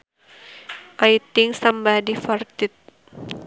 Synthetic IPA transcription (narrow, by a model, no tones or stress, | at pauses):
ʔajt̪ɪŋsambadifart̪ɪt̪̚